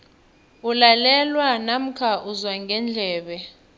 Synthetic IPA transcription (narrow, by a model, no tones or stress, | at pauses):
ulalɛlwanam̩kʰaʔuzwaŋɡʱɛnd͡ɮʱɛːɓɛ